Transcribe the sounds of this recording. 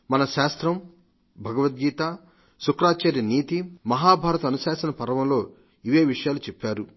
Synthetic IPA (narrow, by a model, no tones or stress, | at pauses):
mɐnɐʃaːst̪ɾɐm | bʱɐɡɐʋɐt̪̚ɡiːt̪aː | sukɾaːt͡ʃaːɾjɐniːt̪imɐɦaːbʱaːɾɐt̪ɐɐnusaːʃɐnɐpɐɾɐʋɐmlo̞ː | iʋeːʋiʂɐjaːlut͡ʃɛpːaːɾu